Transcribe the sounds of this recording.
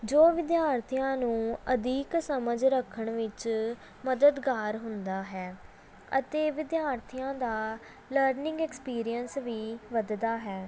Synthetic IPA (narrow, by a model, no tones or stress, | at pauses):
d͡ʒoːʋɪd̪jaːɾt̪ʰijãːnũːəd̪iːksəməd͡ʒɾəkʰːəɳʋɪt͡ʃ | məd̪əd̪ɡaːɾɦʊnd̪aːɦɛː | ə̰t̪eːʋɪd̪jaːɾt̪ʰijãːd̪aː | ləɾnɪ̃ŋɡɛːkspiːɾijənsʋiːʋəd̪d̪aːɦɛː